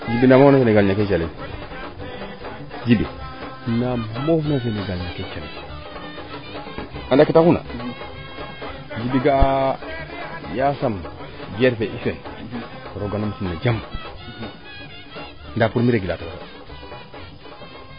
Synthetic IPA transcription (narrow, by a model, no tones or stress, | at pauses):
d͡ʒibinamofnafeneɡalɲaket͡ʃale | d͡ʒibḭ | namofnafeneɡalɲaket͡ʃalḛ | andakitakuna̰ | d͡ʒibiɡa | jasam | ɡeɾfeʔifen | ɾoɡanomsumnad͡ʒam | ndapuɾmiɾeɡilatawata